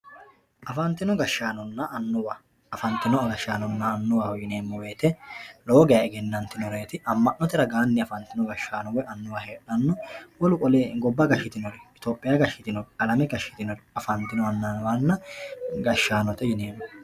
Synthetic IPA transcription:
ʔɐfɐnt̪ɪnɔɡɐʃːaːnɔnːɐʔɐnːʊwaː | fɐnt̪ɪnɔɡɐʃːaːnɔnːɐːnːʊwaːwjɪne̞ːmːɔweːt̪ɛlo̞ːɡɛjɐɛɡɛnːɐnt̪ːɪnɔɾe̞ːt̪ɪʔɐmːɐʔnɔt̪ɛɾɐɡaːnːɪɐfɐnt̪ɪnɔɡɐʃːaːnɔwɛʔɐnːʊwaheːᶑɐnːɔwɔlʊkʼɔleːɡɔbːɐɡɐʃɪt̪ɪnɔɾɪɪt̪oːpʼːɪjaɡɐʃːɪt̪ɪnɔɾɐlɐmɛɡɐʃːɪ̥t̪ɪnɔɾɐfɐnt̪ːɪnɔɐnːanɔwanːɐɡɐʃːaːnɔt̪ɛjɪne̞ːmːɔ

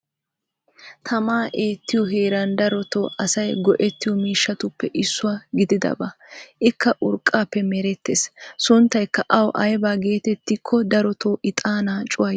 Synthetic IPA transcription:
t̪ʰɐmaːʔe̞ːt̪ːɪjɔɦe̞ːɾɐnd̪ɐɾɔt̪o̰ːʔɐsɐjɡɔʔɛt̪ːɪjɔmiːʃːɐt̪ʊpːɛʔɪsːʊwaːɡɪd̪ɪd̪ɐ̰bɐʔɪkːɐʔʊɾkʼːaːpːɛmɛɾɛt̪ːeːssʊnt̪ːɐjkːɐʔɐwʔɐjbaːɡe̞ːt̪ɛt̪ːɪkʰːɔd̪ɐɾɔt̪ʰoːʔɪt̪ʼaːnaːt͡ʃʼʊwɐ

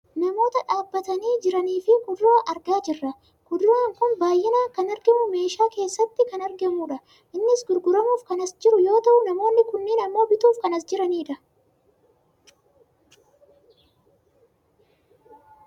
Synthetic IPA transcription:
nɐmo̞ːt̪ɐᶑaːbːɐt̪ɐniːd͡ʒɪɾɐniːfɪkʊd̪ʊɾaːʔɐɾɡaːd͡ʒɪrːɐ | kʊd̪ɾaːŋkʊnbaːjːɛnaːkɐnɐɾɡɛmʊme̞ːʃaːke̞ːsːɐt̪ːɪkɐnɐɾɡɛmuːᶑɐ | ʔɪnːɪsɡʊɾɡʊɾɐmuːfkɐnɐsd͡ʒɪɾʊjo̞ːt̪ɐʔʊnɐmo̞ːnːɪkʊnːɪnɐmːo̞ːbɪt̪uːfkɐnɐsd͡ʒɪɾɐniːᶑɐ

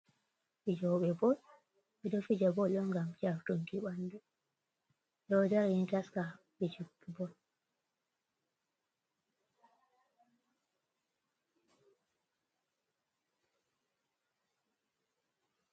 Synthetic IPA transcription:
ɓid͡ʒɔɓɛbɔl | ɓɛɗɔfid͡ʒabɔɗɔŋɡamd͡ʒaɾtuŋkiɓandu | jɔd͡ʒaɾintaska | ɓit͡ʃubːibɔl

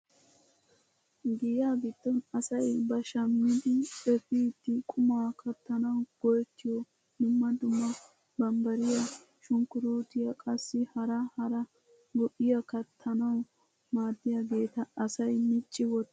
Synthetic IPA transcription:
ɡɪjaːbɪd̪ːɔnɐsɐjbɐʃɐmːɪd̪ɪɛfiːt̪ːɪkʼʊmakɐt̪ːɐnɐwɡ̥ɔjt̪ːɪjɔ | d̪ʊmːɐd̪ʊmːɐ | bɐmbɐɾɪjɐ | ʃʊŋkːʊɾuːt̪ɪjɐkʼɐsːɪhɐɾɐhɐɾɐ | ɡɔʔɪjɐkɐt̪ʰːɐnɐw | maːd̪ːɪjɐɡe̞ːt̪ɐːsɐjmɪt͡ʃʼːɪwɔt̪ː

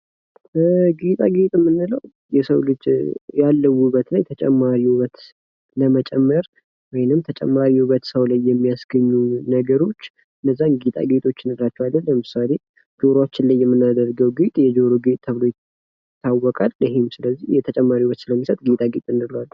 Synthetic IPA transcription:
ɡet̪ʼa̰ɡet̪ʼɨmːɨnːɨləw | jɛsəwlɨd͡ʒjalːəwːuβət̪najt̪ʰət͡ʃʼɛmːaɾihuβət̪ | ləmət͡ʃʼɛmːəɾ | wɔjnɨmt̪ʰət͡ʃʼɛ̰mːaɾihuβət̪səwlajːɛmːijasɡəɲːunəɡəɾo̞t͡ʃː | ɨnːəzːanɡit̪ʼa̰ɡet̪ʰʼo̞t͡ʃːɪnɨdlat͡ʃːɛwad̪ənːəmɨsale̞ | d͡ʒo̞ɾoat͡ʃːɪnlajːɛmːɨnːad̪əɾɡəwɡit̪ʼjɛd͡ʒoɾoɡet̪ʼt̪ʰəβɨlo̞j | t̪ʰːawːɔkʼalɪɦemsɨləzːihjɛt̪ʰət͡ʃʼɛmːaɾihuβət̪sɨləmːisət̪ʼɡet̪ʼaɡet̪ʼɨnːɨləwal

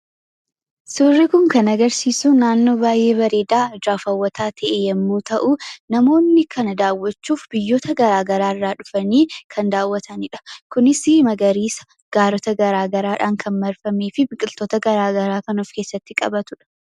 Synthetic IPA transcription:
sʊrːɪkʊŋkɐnɐɡɐɾsiːsuːnaːnːo̞ːbaːjːe̞ːbɐɾe̞ːd̪aːd͡ʒaːfɐwːɐt̪ʰaːt̪ʰɐʔejɐmːuːt̪ɐʔʊnɐmo̞ːnːɪkʰɐnɐd̪aːwːɐt͡ʃːuːfbɪjːoːt̪ɐɡɐɾaːɡɐɾaːɪrːaːᶑʊfɐniːkʰɐnd̪aːwːɐt̪ʰɐnɪᶑɐ̥kʊnɪsɪmɐɡɐɾiːsɐ̥ | ɡ̥aːɾɔt̪ɐɡɐɾaːɡɐɾaːᶑaːŋkʰɐnmɐɾfɐmeːfɪbɪkʼɪlt̪oːt̪ɐɡɐɾaːɡɐɾaːkɐnoːfke̞ːsːɐt̪ːɪkʼɐ̰bɐt̪ʊᶑɐ̥

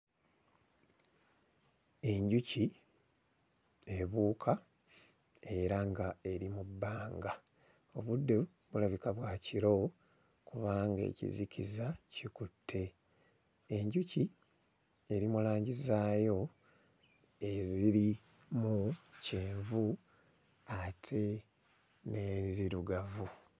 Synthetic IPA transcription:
e̞ɲɟuci | e̞βuːkʰa | e̞ɾaŋɡae̞ɾimubːaːŋɡa | o̞βudːe | βulaβikaβwaciɾo̞ | kuβaːŋɡe̞̰cḭzikʰḭzacikutʰːe̞ː | ɲɟuci | e̞ɾimulaːɲɟizaːjo̞ | e̞ziɾi | muceːɱvu | atʰe̞ | ne̞ziɾuɡavu

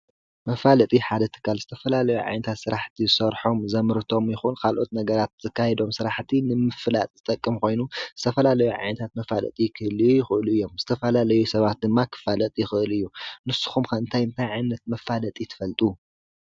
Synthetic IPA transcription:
mɐfalɐt̪ʼiħad̪ɐt̪ʰɨ̥kʰːalzɨt̪ʰɐfɐlalɐjuʕa̰jnɐt̪ʰat̪sɨɾaħt̪ʰizɨsɐɾħo̞mzɐmɨɾt̪ʰo̞mjɪxunkʰalʔo̞t̪nɐɡɐɾat̪̚z̥ɐkʰːajɛd̪o̞msɨɾaħt̪ʰinɨmɨfɨlat̪ʼzɨt̪ʼɐkʼːɨmkʰo̞jnuzɨt̪ʰɐfɐlalɐjuʕa̰jnɐt̪ʰat̪mɐfalɐ̰t̪ʼikʰɨʔɨlijɪxɨʔɨluɨjːo̞mz̥ɨt̪ʰɐfɐlalɐjusɐβat̪̚d̪ɨmːakʰɨ̥falɐt̪ʼijɪxɨʔɨlɨjːunɨsːu̥xumkʰɐɨnt̪ʰajɨnt̪ʰajʕajnːɐt̪̚mɐfalɐt̪ʼit̪ʰɨ̥fɐlt̪ʼu

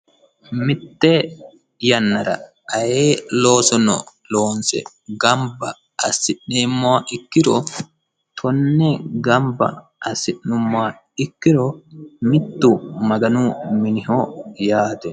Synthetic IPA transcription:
mɪt̪ːe | jɐnːɐɾɐ̰ | ɐjeːloːsɔnɔ̰ | loːnsɛ̰ | ɡɐmbɐ | ɐsːɪʔneːmːɔaʔɪkːɪɾɔ | t̪ʰɔnːɛɡɐmbɐ̰ | ʔɐsːɪʔnːʊmːɔa | ɪkːɪɾɔmɪt̪ːumɐɡɐnuːmɪnɪhojaːt̪ɛ

